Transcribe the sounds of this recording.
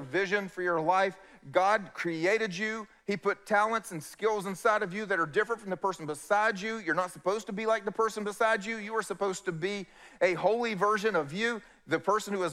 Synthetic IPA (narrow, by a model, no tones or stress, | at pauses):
vɪʒɨ̃nfə˞jə˞laɪf | ɡ̥ɑd̚kʰɹ̥ieɪɾɨd͡ʒʉ | ipʰʊtʰælˠə̃ntsn̩skɪlˠzə̃nsaɪɾʌvjɨðɨɾə˞dɪfɹə̃ntfɹʌ̃mðəpʰɜ˞sn̩bəsaɪd͡ʒʉjə˞nətsəpoʊz̥tʰəbilaɪk̚ðəpʰɜ˞sə̃n̩bəsaɪd͡ʒʉjɨə˞səpoʊz̥tɨbi | ɨhoʊlˠivɜ˞ʒɨ̃nʌvjʉ | ðɨpʰɜ˞sə̃n̩hʉɨz